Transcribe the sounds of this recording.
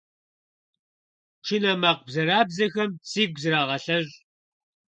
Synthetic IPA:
ʈ͡ʂʰɪnɐmaːq̚ʷbzɐɾaːbzɐxɐmsiːɡʷzɨɾaːʁɐɬɐʑ

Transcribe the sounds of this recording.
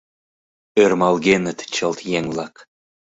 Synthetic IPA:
ørmɑlˠɣenə̆t̪t͡ɕəlt̪jeŋlˠɑk

